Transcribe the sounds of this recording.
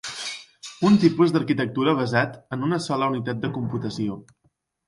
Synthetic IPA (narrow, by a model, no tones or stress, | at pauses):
unt̪ipuzd̪əɾkit̪ək̚t̪uɾəβ̞əzat̪ənunəsɔləunit̪at̪̚d̪əkumput̪əsio